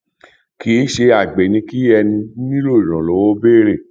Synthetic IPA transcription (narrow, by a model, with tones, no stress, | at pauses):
ki˨˦ʃe˧a˨ɡ͡be˨nĩ˧ki˦ɛ˧nĩ˧˦ĩ˦lo˦˨i˨ɾ̃ɔ̃˨lo˨˦wo˦be˦˨ɾe˦˨